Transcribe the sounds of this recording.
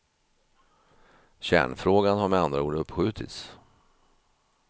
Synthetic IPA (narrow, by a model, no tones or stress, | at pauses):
ɕæ̰ːɳfɾoːɡanɦaɾmɛand̪ɾauːɖɵpːɧʉ̟ːt̪ʰɪ̰t̪s